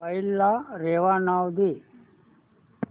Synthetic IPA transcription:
ɐjilːaɾeːʋaːnaːwd̪i

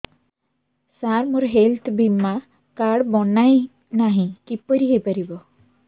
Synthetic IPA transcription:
saɾmuɾɦelt̪ʰbʱimːa | kaɽbɔnaj | naɦĩkipːəɾiɦepəɾibɔ

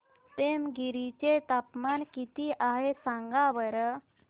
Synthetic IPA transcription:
p̪emɡiɾit͡ɕet̪apmankit̪iʔaɦesãŋɡaʋəɾ

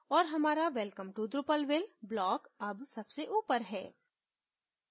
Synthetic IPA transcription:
ɔːɾɦɐmaːɾaʋɛlkəmʈud̪ɾʊpəlʋɪlblɔːkɐbsɐbseʔuːpəɾɦɛː

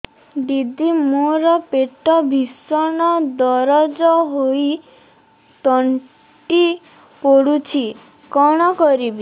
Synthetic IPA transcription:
d̪id̪imoɾɔpeʈɔbʱisɔɳ̃ɔd̪ɔɾɔd͡ʒɔɦoi | t̪ɔɳ | ʈi | pɔɽut͡ʃʰi | kɔɽ̃ɔkɔɾibi

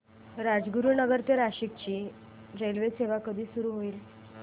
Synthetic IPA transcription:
ɾad͡zɡuɾunəɡəɾt̪eɾaɕik̚t͡ɕiː | ɾelʋeseʋakəd̪ʱiːsuɾuːɦoiːl

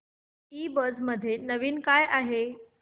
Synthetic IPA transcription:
ibəd͡zməd̪ʱːjenəʋiːnkajʔaɦe

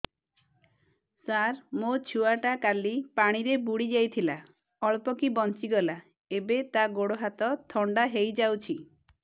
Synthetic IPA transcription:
saɾmot͡ʃʰuaʈakalipaɽ̃iɾebuɽid͡ʒajt̪ʰila | ɔɭpɔkibɔnt͡ʃiɡɔla | ebet̪aɡoɽoɦat̪ɔt̪ʰɔɳɖaɦejd͡ʒawt͡ʃʰi

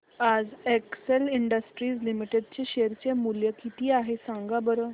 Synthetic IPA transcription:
ad͡zekseliɳɖəsʈɾiːslimiʈed̪̚t͡ɕeɕeɾt͡ɕemuljəkit̪iːaɦesãŋɡabəɾə

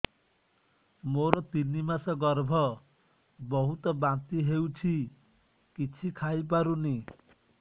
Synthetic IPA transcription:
moɾɔt̪inimasɔɡɔɾbʱɔ | bɔɦut̪ɔbant̪iɦewt͡ʃʰi | kit͡ʃʰikʰajp̬aɾuni

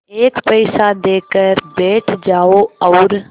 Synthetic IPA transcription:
eːkpəɪsad̪eːkəɾbɛːʈʰd͡ʒaːoːɔːɾ

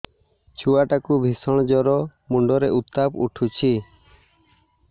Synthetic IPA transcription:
t͡ʃʰuaʈakubʱisɔɽ̃d͡ʒɔɾɔmuɳɖɔɾɛʔut̪ːapṵʈʰut͡ʃʰi

